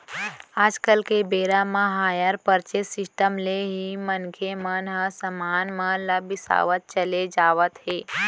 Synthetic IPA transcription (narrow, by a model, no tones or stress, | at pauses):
aːd͡ʒkəlkebeɾamãɦaːjəɾpəɾt͡ʃesɪsʈəmleɦimənkʰemənɦəsəmaːnmə̃ləbɪsa̰ːʋət̪̚t͡ʃəled͡ʒaːʋət̪ɦeː